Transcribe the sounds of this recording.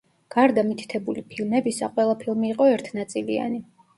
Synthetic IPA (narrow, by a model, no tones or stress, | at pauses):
ɡ̥aɾd̪amit̪ʰi̥t̪ʰɛbulipʰilˠmɛbisa̰qʼwɛlˠapʰilˠmiːqʼɔɛɾt̪ʰnat̪sʼilia̰ni